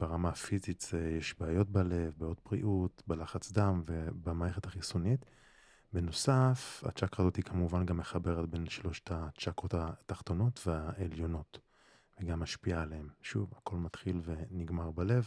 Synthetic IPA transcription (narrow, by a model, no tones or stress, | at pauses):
b̥eʁamafizitzejeʃbaːjo̞t̚bale̞vbajot̚bʁḭʔutbalaχat͡sd̪amvebamaːeχethaχisunit | beno̞safa̰t͡ʃakʁaːzo̞thikʰamuvanɡamːeχabeʁetbe̞nʃlo̞ʃtat͡ʃakʁotataχt̪o̞no̞tveaʔeljo̞no̞t | veɡamːaʃpialeemʃuvako̞lmat̪χilve̞niɡmaʁbale̞v